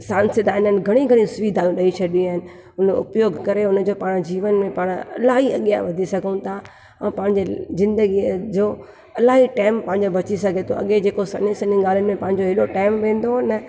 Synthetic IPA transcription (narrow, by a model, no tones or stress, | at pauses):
sãːnsɪd̪ʱaːɪnənɪ̆ɡʱɐɽ̃ĩɡʱɐɽ̃ĩsʊʋiːd̪ʱaːjũɗɐit͡ɕʰɐɗiaːɦɪnɪ̆ | ʊnʊ̰pjoːɡʱkɐɾeʊnə̆d͡ʑoːpaːɽ̃d͡ʑiːʋənmẽpaːɽ̃ɐ̰laːɦiɐ̰ɠja̰ʋɐd̪ʱisɐɡʱəũt̪ʰa | ɐ̃pɐ̃ɦɪ̃ɲd͡ʑezɪ̃nd̪əɡid͡ʑoː | ɐlaːɦiʈaːɪmpɐ̃ɦɪ̃ɲd͡ʑobɐt͡ɕisɐɡʱet̪ʰo̰ɐ̰ɠed͡ʑeːkosɐnĩsɐniɡaːl̤ənɪ̆mẽpɐ̃ɦɪ̃ɲd͡ʑoɦɪloʈaːɪmʋẽːn̆d̪oɦnə